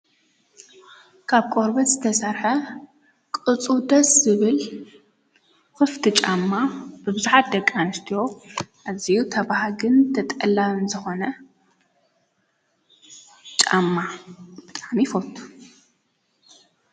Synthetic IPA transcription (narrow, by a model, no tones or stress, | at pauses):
kʰaβkʼoɾbɐt̪zɨt̪ʰɐsɐɾħɐ | kʼɨt͡sʼud̪ɐszɨβɨl | xɨft̪ʰɨt͡ʃʼamːab̥ɨbɨzuħat̪̚d̪ɐkʼːanɨst̪ʰijo̞ʔazijut̪ʰɐβahɡɨnd̪ʰɐt̪ʼɐlːaɨnzɨxo̞nɐ | t͡ʃʼamːabɨt̪ʼamifot̪ʰːu̥